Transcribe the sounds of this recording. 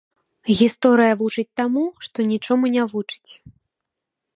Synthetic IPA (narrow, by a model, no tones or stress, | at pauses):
ɣʲist̪ɔɾɨjɐvut͡ʂɨt͡sʲt̪amuʂt̪ɔnʲit͡ʂɔmunʲavut͡ʂɨ̥t͡sʲ